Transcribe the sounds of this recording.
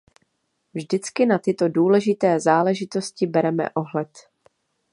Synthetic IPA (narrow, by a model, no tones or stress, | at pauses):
vʒdɪt͡skɪnat̪ɪt̪o̞duːlɛʒɪt̪ɛːzaːlɛʒɪt̪o̞scɪbɛɾɛmɛ̰ʔo̞ɦlɛt̪